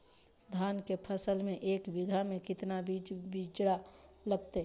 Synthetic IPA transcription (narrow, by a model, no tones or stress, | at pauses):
d̪ʱaːnkepʰəsəlmẽʔeːkbɪɡʱamẽkɪt̪nabid͡ʒbid͡ʒɽa | ləɡt̪e